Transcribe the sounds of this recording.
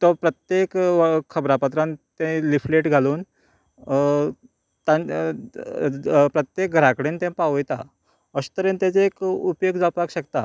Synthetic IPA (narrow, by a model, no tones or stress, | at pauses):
t̪ɔpɾət̪jekkʰəbɾapət̪ɾãnt̪ẽlifleʈɡʱaluːn | t̪ã | pɾət̪jek̚ɡʱəɾakɽent̪ẽpaʋjt̪a̰ | əst̪əɾent̪at͡seːkupjoɡd͡zapakɕəkt̪a̰